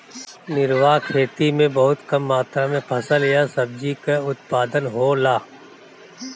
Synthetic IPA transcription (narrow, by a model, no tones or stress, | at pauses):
nɪɾwaːkʰeːt̪imẽbɐɦʊt̪kɐmːaːt̪ɾamẽpʰɐsəljasɐb̚d͡ʒikeʊt̪paːd̪ənɦoːlaː